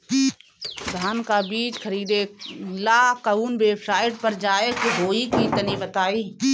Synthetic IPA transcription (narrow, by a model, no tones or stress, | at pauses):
d̪ʱaːnkaːbiːt͡ʃkʰəɾiːd̪elaːkəuːnʋeːbsaːɪʈ̚pəɾd͡ʒaːek̪oɦoːikit̪ənibət̪aːiː